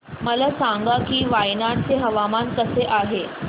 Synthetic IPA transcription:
məlasãŋɡakiːʋajnant͡seɦəʋamankəseʔaɦe

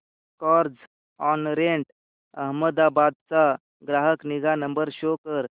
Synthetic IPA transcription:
kɔɾd͡ʒ | ɔnɾeɳʈ | əɦməd̪abaːd̪̚t͡sa | ɡɾaːɦəkniɡanəmbəɾʃokəɾ

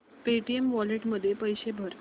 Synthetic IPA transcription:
peʈiemʋɔleʈməd̪ʱːjepəjɕebʱəɾ

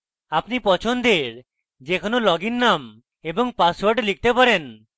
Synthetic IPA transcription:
apnipɔt͡ʃʰond̪eɾ | d͡ʒekʰonolɔɡinːam | ebɔŋpaswaɾʈlik̚t̪epaɾen

